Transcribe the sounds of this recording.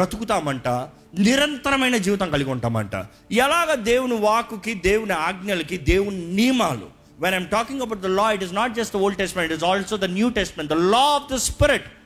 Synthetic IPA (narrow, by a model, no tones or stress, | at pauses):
ɐt̪ukut̪aːmɐɳʈa | niɾɐnt̪ɐɾɐmɐjnɐd͡ʒiːʋit̪ɐŋkɐliɡɔɳʈaːmɐ̰ɳʈa̰ | iɛlaːɡaːd̪eːwunuʋaːkukid̪eːwuniaːɡnjɐlɐkid̪eːwuniniːmaːlṵ | ʋenajmʈɔːkĩŋɡɐbɐwʈ̚d̪ɐlɔːiʈiznaːʈ̚d͡ʒɐsʈ̚d̪ɐoːlɖ̚ʈɛsʈɐmeɳʈʈizɔːlsoːd̪ɐnjuːʈɛsʈɐmẽɳʈ̚d̪ɐlɔːɔfd̪ɐspiɾiʈ